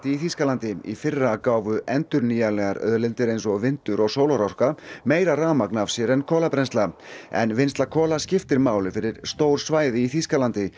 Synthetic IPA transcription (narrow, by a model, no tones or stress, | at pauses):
t̪ɪiθiskalant̪ɪḭfɪrːakaːwvʏɛnt̪ʏɾniːjalɛɣaɾœ̰ðlɪnt̪ɪɾejnsɔɣvɪnt̪ʏɾɔɣsoːwlaɾawr̥kameːjɾaraːmaknav̥sjɛɾɛnkʰɔːlapɾɛnst̪laɛ̰nvɪnst̪lakʰɔːlascɪft̪ɪɾmaːwlɪfɪɾɪɾ̥st̪oːwɾ̥svaːjðɪiθiskalant̪ɪ